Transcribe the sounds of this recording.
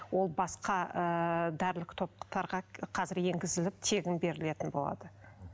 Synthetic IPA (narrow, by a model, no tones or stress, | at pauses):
wo̞lˠbɑsqɑəd̪æɾlɪkt̪ʰo̞p̚qə̥t̪ɑɾʁɑqʰɑzɪɾje̞ŋɡʲɪzɪlɪp̚t̪ʰe̞ɡʲɪnbe̞ɾɪle̞t̪ɪnbo̞lˠɑ̰d̪ə